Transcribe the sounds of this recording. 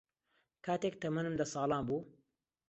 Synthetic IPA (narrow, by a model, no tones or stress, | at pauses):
kʰaːt̪ek̚t̪ɐmɐnɨmd̪ɐsɑːlˠɑːnbuː